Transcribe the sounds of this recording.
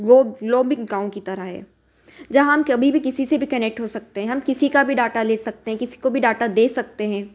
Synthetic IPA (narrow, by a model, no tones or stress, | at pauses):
ɡoːloːbɪ̃ŋɡãːõkit̪ɐɾaɦɦɛ̰ː | d͡ʒɐɦãɦɐmkɐbʱibʱikɪsisebʱikɐnɛːk̚ʈɦosɐk̚t̪eɦɛ̃ɦɐmkɪsikabʱiɖaːʈaleːsɐk̚t̪eɦɛ̃kɪsi̥kobʱiɖaːʈad̪eːsɐk̚t̪eɦɛ̃ː